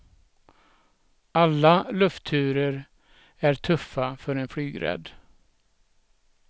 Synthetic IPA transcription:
alːalɵft̪ʰːʉ̟ːɾəɾ | æʈʰɵfːafœɾɛnflyːɡɾɛ̰d̪

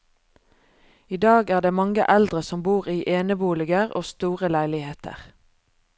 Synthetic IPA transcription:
iːd̪ɑːɡæːʁd̪eːmɑŋə̰ʔæld̪ʁəsɔmbuːʁiːʔeːnəbuːlɪɡəʁo̰ːst̪uːʁəlæɪlɪheːt̪ʰə̰ʁ

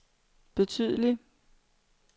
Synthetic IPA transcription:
b̥e̝t͡sʰyð̰ˠəli

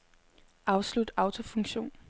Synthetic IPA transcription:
ʔɑ̈ʊslud̥ɑ̈ʊt͡sʰo̝fɔ̽ŋɕo̝̰ːn

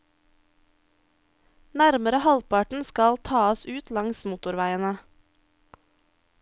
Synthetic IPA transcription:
næɾməɾəhɑlpʰɑʈɳ̩skɑlt̪ʰɑːəsʉːt̪lɑŋsmuːt̪ʊɾʋæɪənə

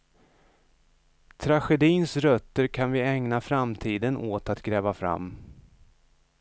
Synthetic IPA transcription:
t̪ʰɾaɧɛd̪iːnsɾœt̪ːəɾkʰanvɪɛŋnafɾamt̪ʰiːd̪ənʔoːt̪at̪ɡɾɛːvafɾa̰mː

